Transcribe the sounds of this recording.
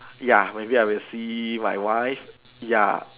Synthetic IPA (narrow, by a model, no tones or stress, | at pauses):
jamajbiabesima̰jwajf | ja̰